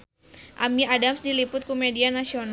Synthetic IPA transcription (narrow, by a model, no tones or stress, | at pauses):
ʔamiadamsdilipʊt̪̚komedianasion